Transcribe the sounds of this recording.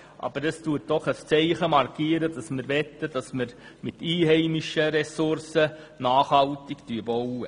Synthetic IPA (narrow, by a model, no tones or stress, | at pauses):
ʔɑ̰b̥əɾəstuːət̚d̥ɔχəst͡sɛɪχəmɑrkiːəɾədɑsməɾʋɛt̪ːəd̥ɑsməɾ | mɪtiːhɛɪmiʃəɾɛsʊɾsə | naːχhɑltɪktyəbɔwə